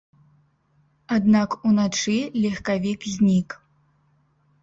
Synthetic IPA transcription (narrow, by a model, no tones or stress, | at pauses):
ad̪nakunat͡ʂɨlʲixkavʲikzʲnʲik